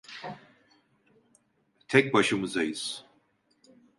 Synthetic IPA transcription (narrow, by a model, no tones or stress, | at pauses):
t̪ʰɛk̚ʲbaʃɯmɯzajɯz̥